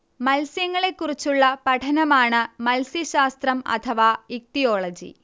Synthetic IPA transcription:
mɐlsjɐŋːɐɭe̞kːurit͡ɕːuɭːɐpɐʈʰɐnɐmaːɳɨmɐlsjɐɕaːst̪rɐmɐ̰t̪ʰɐʋaːik̚t̪ijo̞ːɭɐd͡ʑḭ

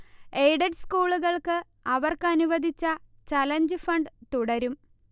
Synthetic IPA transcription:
ejɖɐɖskuːɭuɣɐɭkɨ | ɐʋɐrkɨɐnuʋɐd̪ʱit͡ɕːɐt͡ɕɐlɐɲd͡ʑɨfɐɳɖɨt̪uɽɐɾum

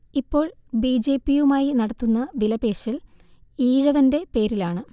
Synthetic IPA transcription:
ipːo̞ːɭbid͡ʑe̞ːpːijumaːjinɐɽɐt̪ːunːɐʋilɐbe̞ːɕiliːɻɐʋɐnde̞pe̞ːɾilaːɳɨ

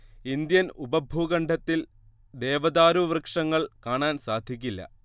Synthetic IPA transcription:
ind̪jɐnubɐbʱuɣɐɳɖʱɐt̪ːil | d̪e̞ːʋɐd̪aːɾuʋrɨkʂɐŋːɐɭkaːɳaːnsaːd̪ʱik̬ʲːilːɐ̰

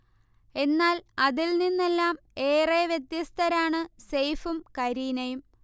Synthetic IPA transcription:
e̞nːaːlɐðilninːe̞lːaːm | e̞ːreːʋjet̪jɐst̪ʰɐɾaːɳɨsejfumkɐɾiːnɐjum

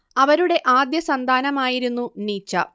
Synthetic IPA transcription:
ɐʋɐɾuɽe̞ʔaːd̪jɐsɐnd̪ʱaːnɐmaːjiɾunːuniːt͡ɕːɐ̰

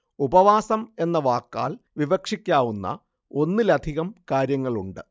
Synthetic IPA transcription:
ubɐʋaːsɐme̞nːɐʋaːkːa̰ːɭʋiʋɐkʂikʲːaːʋunːɐ̰ | o̞nːilɐd̪ʱiɣɐmkaːɾjɐŋːɐɭuɳɖɨ

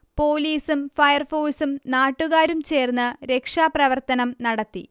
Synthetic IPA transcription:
po̞ːliːsumfɐjɐrfoːsumnaːʈːuɣaːɾumt͡ɕe̞ːrnːɨɾe̞kʂaːprɐʋɐrt̪ɐnɐmnɐɽɐt̪ːḭ

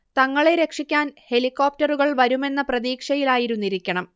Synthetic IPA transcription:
t̪ɐŋːɐɭe̞ɾe̞kʂikʲːaːnhe̞likːo̞ːp̚tɐruɣɐɭʋɐɾume̞nːɐprɐðiːkʂɐjilaːjiɾunːiɾikʲːɐɳɐm

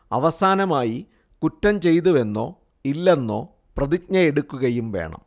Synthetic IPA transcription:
ɐ̰ʋɐsaːnɐmaːji | kutːɐmt͡ɕe̞jt̪̬uʋe̞nːo̞̰ː | ilːe̞nːo̞̰ː | prɐðik̚ɲɐeɽukːuɣɐjumʋe̞̰ːɳɐ̰m

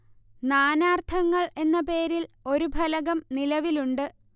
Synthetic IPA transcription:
naːnaːrt̪ʰɐŋːɐɭe̞nːɐpe̞ːɾilo̞ɾubʱɐlɐɣɐmnilɐʋiluɳɖɨ

